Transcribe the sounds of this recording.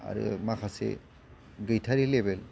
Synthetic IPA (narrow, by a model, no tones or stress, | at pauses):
a̰ɾɯ̰makʰasḛ | ɡɯjtʰaɾilebɛl